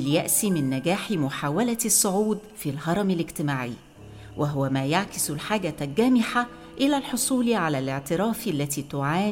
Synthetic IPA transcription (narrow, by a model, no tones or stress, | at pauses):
ljaʔsimɪnːæɡæːħimʊħaːwælæsˤːoʕuːd̪filɦɑɾˤɑmɪlɪɡt̪ɪmaːʕḭ | wʔæɦʊwæmæːjaʕkɪslħaːɡæt̪æɡæːmɪħa | ʔɪlæːlħosˤuːliʕalæːlɪʕt̪ɪɾɑːfalːæt̪iːt̪ʊʕaː